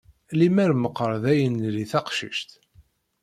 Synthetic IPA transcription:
limæɾməqːəɾˤðæjənliθɑqʃḭʃt̪

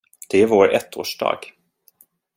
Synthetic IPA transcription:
d̪̥ɛævoːɾɛ̰t̪ʰːo̰ːʂɖɑ̰ːɡ̥

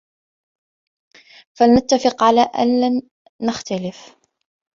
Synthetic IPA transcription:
falnat̪ːafɪqʕalaːʔa̰nlanː | axt̪alɪf

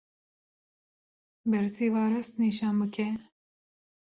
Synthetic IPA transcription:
bɛɾsiːvɑːɾɐst̪̚niʃɑːnbɨkʰɛ

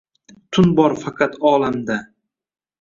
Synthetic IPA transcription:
t̪ʰʊnbɒɾfɑqʰɑt̪ɒːlamd̪a

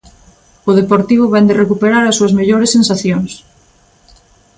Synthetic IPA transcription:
ʊðepoɾt̪iβ̞ʊβɛnd̪erekupeɾaɾɐsːuɐzmeʎoɾesensaθjoŋs

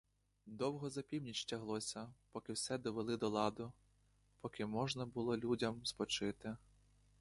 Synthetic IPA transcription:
d̪ɔwɦɔzɐpʲiwnʲit͡ʃtʲɐɦlˠɔsʲɐpɔkɪwsɛd̪ɔʋelˠɪd̪ɔlˠɑd̪ʊ | pɔkɪmɔʒnɐbʊlˠɔlʲudʲɐmspɔt͡ʃɪt̪ɪ

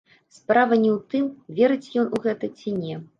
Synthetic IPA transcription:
spɾavɐnʲɛwt̪ɨmvʲɛɾɨt͡sʲjɔnuɣɛt̪ɐt͡sʲinʲɛ

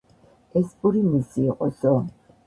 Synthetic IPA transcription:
ɛspʼuɾimisiːqʼɔsɔ

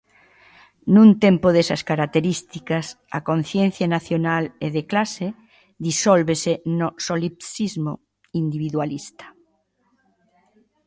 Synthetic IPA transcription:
nũnt̪empoð̞esɐskaɾak̚t̪eɾist̪ikas | a̰kon̟θjen̟θjanaθjonaleðeklase | ðisolβesenosolipsizmo̰ | ind̪iβiðwalist̪ḁ

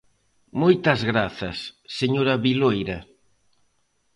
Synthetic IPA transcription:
mojt̪ɐzɣɾaθɐsːeɲoɾɐβilojɾɐ

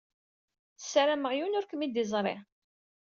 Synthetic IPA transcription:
θə̥sːæɾæməʁjunʊɾkəmid̪izˤɾˤɪ̰

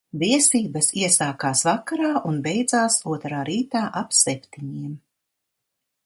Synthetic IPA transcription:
viɛsiːbɐsiɛsaːkaːsvakaɾaːʔunbɛjd̪zaːsuɔt̪ɾaːɾiːt̪aːʔapsɛpʲt̪iɲiɛm

